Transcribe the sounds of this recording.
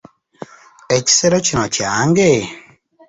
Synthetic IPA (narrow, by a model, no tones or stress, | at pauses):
ɛt͡ʃi̥seɾɔt͡ʃinɔt͡ʃaŋɡe